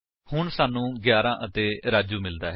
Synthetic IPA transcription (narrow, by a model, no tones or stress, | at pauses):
hʊɳsaːnːũːɡjaːɾãːʔət̪eːɾaːd͡ʒuːmɪld̪aːɦ